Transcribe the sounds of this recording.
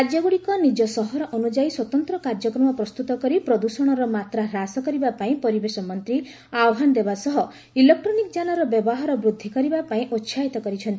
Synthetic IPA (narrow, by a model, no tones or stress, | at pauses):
kad͡ʒjɔɡuɽikɔnid͡ʒɔsɔɦɔɾɔʔɔnud͡ʒaiswɔt̪ɔnt̪ɾɔkaɾd͡ʒɔkɾɔmɔpɾɔst̪ut̪ɔkɔɾipɾɔd̪usɔɽ̃ɔɾɔmat̪ɾaɦɾasɔkɔɾibapaĩpɔɾibesɔmɔnt̪ɾi | aɔɦand̪ebasɔɦɔ | ilek̚ʈɾɔnikɔd͡ʒanɔɾɔbjɔbɔɦaɾɔbɾud̪ʱːikɔɾibapaĩʔotːʃʰait̪ɔkɔɾit͡ʃʰɔnt̪i